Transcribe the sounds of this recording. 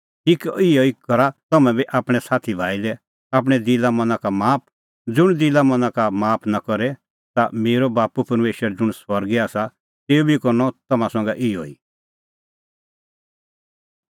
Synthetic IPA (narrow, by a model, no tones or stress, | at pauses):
ʈiːkɪjɔikɐɾat̪ɐmɛ̃bʱiʔaːpɽ̃ɛsaːt̪ʰibʱaːilɛ | aːp̬ɽ̃ɛd̪ɪlamɐ̃nãkamaːp̚ʰ | d͡zʊɽ̃d̪ɪlamɐ̃nãkamaːpʰnakɔɾɛ | t̪ameːɾɔbaːpupɐɾmeːʃəɾd͡zʊɽ̃sʋɐɾɡiaːsa | t̪eːubʱikɔɾnɔt̪ɐmãsɔ̃ŋɡɛʔɪjɔ̰ḭ